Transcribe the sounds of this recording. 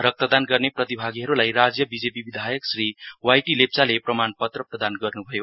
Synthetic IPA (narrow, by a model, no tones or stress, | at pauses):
ɾʌk̚t̪ʌd̪anɡʌrneprʌt̪ibʱaɡiɦʌɾulajrad͡zjʌbid͡zepibid̪ʱajʌksriwajʈilep̚t͡saleprʌmanpʌt̪rʌprʌd̪anɡʌrnubʱʌjo